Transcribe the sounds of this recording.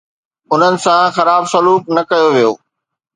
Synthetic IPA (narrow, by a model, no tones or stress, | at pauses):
ʊn̤ənɪ̆sãxɐɾaːbsɐluːknɐkɐjoʋijo̰ː